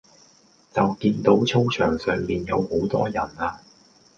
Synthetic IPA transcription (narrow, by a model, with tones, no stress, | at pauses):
t͡sɐ˨wkiː˧nt̪o˨˥wt͡sʰo˥wt͡ʃʰœː˨˩ŋsœː˨ŋmiː˨njɐ˨˧who˨˥wt̪ɔː˥jɐ˨˩naː˧